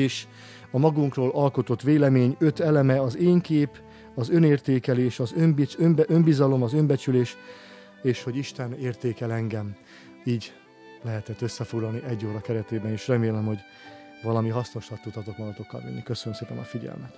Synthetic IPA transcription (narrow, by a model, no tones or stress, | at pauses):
eːʃ | ɒmɒɡuŋkroːlʔɒlko̞t̪o̞t̪ʋeːlɛmeːɲøt̪ɛlɛmɛɒzeːŋkeːp | ɒzø̞neːrt̪eːkɛleːʃɒzømbiømømbizɒlo̞mɒzø̞mbɛt͡ʃyleːʃ | eːʃho̞ɟiʃt̪ɛneːrt̪eːkɛlɛŋɡɛm | iːɟ | lɛɦɛt̪ɛt̪ːø̞sːɛfo̞ɡlɒlniʔɛɟːoːɾɒkɛɾɛt̪eːbɛneːʃrɛmeːlɛmho̞ɟ | vɒlɒmiɦɒsno̞ʃlɒt̪ːut̪ɒt̪ot̪mɒɡɒt̪o̞kːɒ̰lʋy̰nːikø̞sønømseːpɛnɒ̰fiɟɛ̰lmɛt̪